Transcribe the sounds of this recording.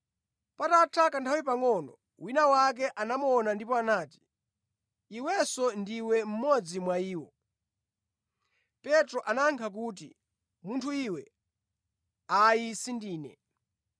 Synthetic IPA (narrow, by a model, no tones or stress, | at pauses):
patatʰakantʰawipaŋɔnɔ | winawak̬ɛʔanamuɔnandipɔanaːti̥ | iwɛsɔndiwɛm̩mɔd͡zimwaiːwɔ | pɛtɾɔʔanaŋkʰak̬uːt̬ḭ | muntʰuiwɛ | ajisindiːnɛ̰